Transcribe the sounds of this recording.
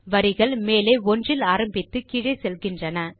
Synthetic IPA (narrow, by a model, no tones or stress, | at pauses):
ʋɐɾɪɣɐɭmeːleːɔndrɪlaːɾɐmbɪt̪ːɯkɪɻɐsɛlɣɪndrɐnɐ